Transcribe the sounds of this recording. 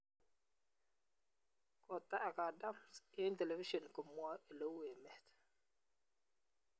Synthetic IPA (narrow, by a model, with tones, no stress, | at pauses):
kɔ˨ta˦ʔa˨ka˨da˦msɪ˦n˦te˨le˨vi˦ʃɔ˨nkə˨mwɔ˦i˨lo˦we˨mɛ˨t